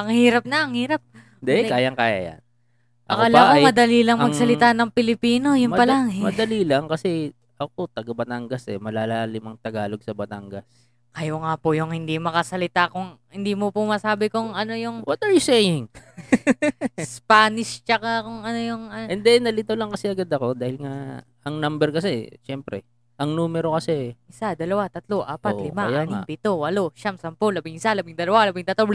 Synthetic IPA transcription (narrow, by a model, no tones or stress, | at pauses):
ʔɐŋhiːɾɐp̚nɐʔɐŋhiːɾɐp̚ | d̪ɛkaːjɐŋkaːja̰ja̰n | ʔɐkalakomɐd̪ɐlilɐŋmmɐɡsɐlɪt̪anɐŋpɪlɪpiːno̞jʊnpɐlaŋmɐd̪ɐliːlɐŋkɐsɛ | ʔɐk̚ot̪ɐɡɐbɐt̪aŋɡɐsɛmɐlaːlalɪmɐŋt̪ɐɡaːloɡ̚sɐbɐt̪a̰ŋɡɐs | kɐjoŋaːpʊjʊŋhɪnd̪imɐkɐsɐlɪt̪akʊŋhɪnd̪iːmopʊmɐsaːbɪkʊŋʔɐno̞jʊŋwɔt̪ɐɹjʊsejɪŋ | spaːnɪʃt͡ʃɐkakʊŋʔɐnojʊŋɐʔɛnd̪ɛnːɐlɪt̪olɐŋkɐsɛʔɐɡad̪ɐko̞d̪aːhɪlŋa | ɐŋnambɛɾkɐsɛʃɛmpɾɛ̰ | ʔɐŋnuːmɛɾokɐsɛʔɪsad̪ɐlɐwat̪ɐt̪loʔaːpatʔlɪmajanapɪt̪owɐloʃamsɐmpolɐbɪŋɪsalɐbɪŋd̪ɐlɐwalɐbɪŋt̪ɐt̪ob